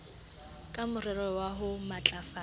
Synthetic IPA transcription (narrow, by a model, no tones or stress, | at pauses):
kʼamʊrɪɾɛwaɦʊmat͡ɬʼafa